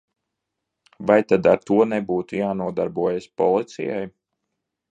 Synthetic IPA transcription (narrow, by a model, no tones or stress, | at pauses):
vajt̪ad̪aɾt̪uɔnɛbuːt̪ujaːnuɔd̪aɾbuɔjaspɔlˠit̪sḭja̰j